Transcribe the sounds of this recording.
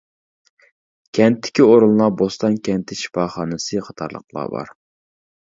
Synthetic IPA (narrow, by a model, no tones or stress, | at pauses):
kʲʰɛnt̪ʰːɪ̥kʲioɾunˠlˠɑbost̪ɑnkʲʰɛnt̪ʰɪʃi̥fɑːχɑːnɨsɨχʰɑt̪ʰɑɾlˠə̰qlˠɑ̰ːbɑ̰ɾ